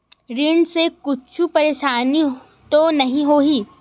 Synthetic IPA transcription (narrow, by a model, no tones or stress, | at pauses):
ɾɪɳɖsekʊt͡ʃʰupɐɾeːʃaːni | t̪onɐɦĩɦoːɦiː